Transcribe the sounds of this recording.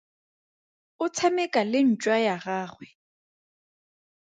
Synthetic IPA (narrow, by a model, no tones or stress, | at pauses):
ʊt͡sʰamɛkʼalɪn̩t͡ʃʼwajaɣaːχwɛ